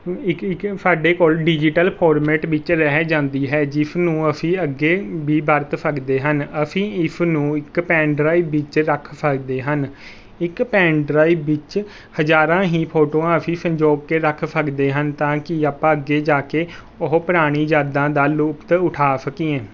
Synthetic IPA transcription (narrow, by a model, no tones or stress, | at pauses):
ɪkɪksaːɖeːkoːlɖɪd͡ʒɪʈəlpʰoːɾmɛːʈʋɪt͡ʃɾɛɦɛd͡ʒãːnd̪iːɦɛːd͡ʒɪpʰnũːəpʰĩːəɡːeːbiːbəɾt̪pʰəɡd̪eːɦənəpʰĩːɪpʰnũːɪkpɛ̃ːɳɖɾaːiːbʋɪt͡ʃɾəkʰpʰəkd̪eːɦən | ɪkpɛ̃ːɳɖɾaːiːbʋɪt͡ʃ | həd͡ʒaːɾãːɦiːpʰoːʈoːãːəpʰĩːsə̃ɲd͡ʒoːɡkeːɾəkʰpʰəɡd̪eːɦənt̪ãːkɪaːpãːəɡːeːd͡ʒaːkeː | ʊɦpəɾaːɽ̃ĩːd͡ʒaːd̪ãːd̪aːluːpt̪ʊʈʰaːsəkiːɛ̃ː